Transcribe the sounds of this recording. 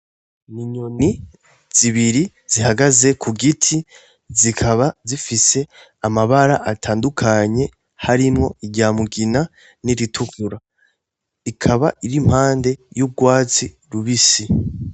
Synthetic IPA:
niɲoni | z̥iβiɾi | zihaɡaze̞kʰuɡitʰi | zikʰaβazifise̞ | amaβaɾaʔatʰaːndukʰaɲe̞ | haɾimŋo̞iɟaːmuɡina | niɾitʰukuɾa | ikʰaβaʔiɾim̥haːnde̞juɡwaːt͡si | ɾuβisi

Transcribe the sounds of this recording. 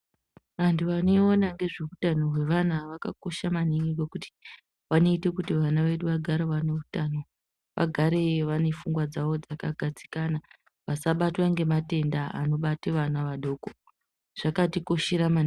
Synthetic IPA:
ʋantʰuʋane̞onaŋɡe̞ʐeutano̞ɦwe̞ʋan̤aʋakako̞ʃamaniŋɡeɡokuti̥ | ʋano̞itekutiʋanaʋe̞ɗuʋaɡʱaɾaʋaneutano̞ | ʋa̰ɡʱaɾe̞ʋane̞fuŋɡwad͡zaʋo̞d͡zakaɡʱad͡zi̥kana | ʋasaɓatwaŋɡe̞mate̞ndaa̰no̞ɓateʋanaʋaɗo̞ːko | ʐ̥akatiko̞ʃeɾamani

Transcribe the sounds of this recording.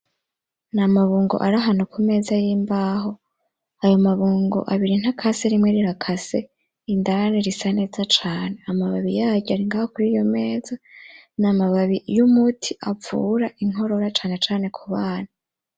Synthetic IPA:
namaβuːŋɡo̞̰ʔaɾaɦanukʰume̞ːzajiːmbaːɦo̞ | ajo̞maβuːŋɡo̰ʔaβiɾin̥hakʰaseɾimŋeɾiɾakʰase̞ | indaaneɾisane̞ːzat͡ʃaːne̞amaβaβijaːɟaɾiŋɡaːhokuɾiːjo̞me̞ːzanamaβaβijumutʰiʔafṵɾaʔiŋ̥o̞ɾo̞ɾat͡ʃaːne̞t͡ʃaːne̞kʰuβaːn̥a

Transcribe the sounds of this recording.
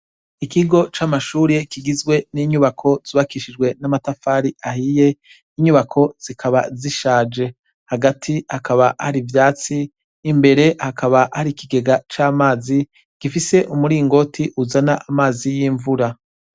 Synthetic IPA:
ikʰiɡo̞t͡ʃamaʃuːɾekiɡizɡwe̞niːɲuβakʰo̞z̥uβakiʃid͡ʒɡwe̞namatafaːɾiʔahije̞ | iɲuβakʰo̞z̥ikʰaβaziʃaːd͡ʒe̞ | haɡatʰihakʰaβahaɾivjaːt͡siː | mbe̞ɾe̞hakaβahaɾikiɡe̞ɡat͡ʃaːmaːzi | ɡ̥ifise̞ʔumuɾiːŋɡo̞tʰiʔuzanaʔamaːzijiːɱvuɾa

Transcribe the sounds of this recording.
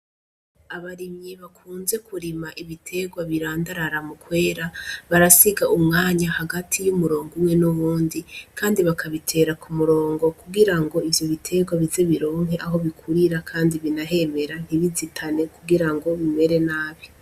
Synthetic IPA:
aβaɾimɲeβakʰuːnze̞kʰuɾimaʔiβitʰe̞ɡwaβiɾaːndaɾaɾamukwe̞ːɾaβaɾasiɡaumŋaːɲahaɡatʰijumuɾo̞ːŋɡuwe̞nuβuːndikʰaːndiβakʰaβitʰe̞ːɾakumuɾo̞ːŋɡo̞kuɡiɾaŋɡo̞ivjo̞βitʰe̞ɡwaβize̞βiɾo̞ːŋɦe̞ʔaɦo̞βikʰuɾiɾakʰaːndiβinaɦe̞me̞ɾan̥hiβizitʰane̞kuɡiɾaŋɡo̞βime̞ɾe̞naːβi̥

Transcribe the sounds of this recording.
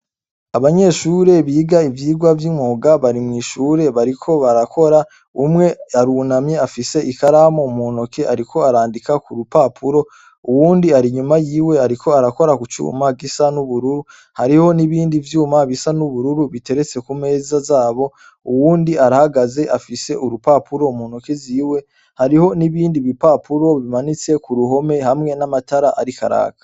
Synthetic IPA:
aβaɲe̞ːʃuːɾe̞βiːɡaivjiːɡwavjiŋoɡaβaɾimŋiːʃuːɾe̞βaɾikʰo̞βaɾakʰo̞ɾa | umŋe̞aɾunamɲe̞afise̞ʔikaɾamomoːno̞kʰe̞ʔaɾikʰo̞aɾaːndikakuɾupapʰuɾo̞ | uwuːndiaɾiɲumajiːwe̞aɾikʰo̞aɾako̞ɾakut͡ʃṵːmaɡisanuβuɾuɾu | haɾiho̞niβiːndivjuːmaβisanuβuɾuɾuβite̞ɾe̞t͡se̞kume̞ːzazaːβo̞ | uwuːndiaɾahaɡaze̞ʔafise̞ʔuɾupaːpuɾo̞umunoke̞ziːwe̞ | haɾiho̞niβiːndiβipapuɾo̞βimanit͡se̞kuɾuɦo̞me̞hamŋe̞namataɾaʔaɾika̰ɾa̰ːkḁ

